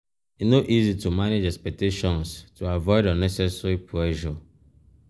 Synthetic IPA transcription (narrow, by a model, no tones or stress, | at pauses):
itnoʔizitumaned͡ʒɛspɛk̚teʃɔ̃nstuavɔɪdə̃nɛsɛsɹipʰlɛʒɔ